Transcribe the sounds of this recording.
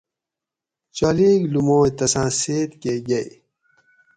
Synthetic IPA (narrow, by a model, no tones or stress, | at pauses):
t͡ɕaːleːɡlumoːet̪ɐsãːseːt̪keɡɐj